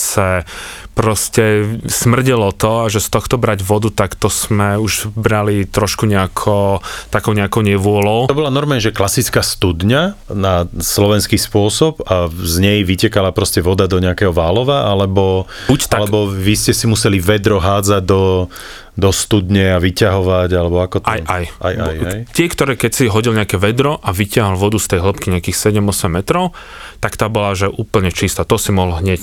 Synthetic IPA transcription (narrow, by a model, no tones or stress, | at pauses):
sapɾɔscɛsmr̩ɟilɔt̪ɔaʒɛst̪ɔxt̪ɔbɾaɟʋɔd̪ut̪akt̪ɔsmɛuʒbɾalit̪ɾɔʃkuɲɛakʰɔt̪akɔʊɲɛakɔʊɲɛʋʊɔlɔʊɔbɔlanɔɾmaɲɛʒɛklasit͡skaːst̪ud̪ɲanaslɔʋɛnskispʊɔsɔpazɲɛjʋicɛkalapɾɔscɛʋɔd̪ad̪ɔɲɛakɛɦɔʋaːlɔʋaʔalɛbɔbut̪alɛkbɔʋiscɛsimusɛliʋɛd̪ɾɔɦaːd͡zaɟ̚d̪ɔ | d̪ɔst̪ud̪ɲɛaʋicaɦɔʋaɟalɛbɔakɔt̪ajʔajajt̪ɪɛkt̪ɔɾɛːkɛcsiɦɔɟilɲɛakɛʋɛd̪ɾɔʔaʋicɪaɦɔlʋɔd̪ust̪ɛjɦl̩pkiɲɛakiːxsɛɟɛmɔsɛmːɛt̪ɾɔʊ | t̪akt̪aːbɔlaʒɛʔuːpl̩ɲɛt͡ʃist̪at̪ɔsimɔɦlɦɲɛc